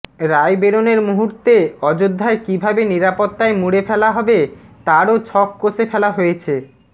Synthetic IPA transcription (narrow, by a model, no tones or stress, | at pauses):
ɾajbeɾoneɾmuɦuɾt̪eɔd͡ʑod̪ʱːaekibʱabeniɾapot̪ːaemuɽefɛlaɦɔbet̪aɾot͡ɕʰɔkːosefɛlaɦojet͡ɕʰe